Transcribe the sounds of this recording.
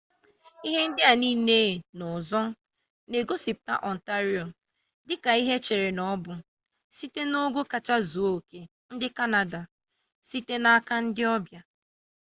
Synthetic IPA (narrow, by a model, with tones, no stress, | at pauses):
i˦ɦe˦n̩˦dɪ˦a˨niː˦ne˦˨nʊ˨zɔ˦ | ne˨ɡo˦si˨p̚ta̰˦ʔɔ˨n̩˨ta˦ɾi˦o˨ | dɪ˦ka˨i˦ɦe˦t͡ʃe˨ɾe˨nɔ˦bʊ˨ | si˦te˦no˦ɡo˦ka˨t͡ʃa˦zu˨o˦˨ke˨ | n̩˦dɪ˦ka˦na˨da˨ | si˦te˦na˦ka˦n̩˦dɪ˦ɔ˦bja˨